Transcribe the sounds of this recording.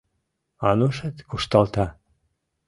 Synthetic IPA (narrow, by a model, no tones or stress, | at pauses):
ɑnuʃət̪kuʃt̪ɑlt̪ɑ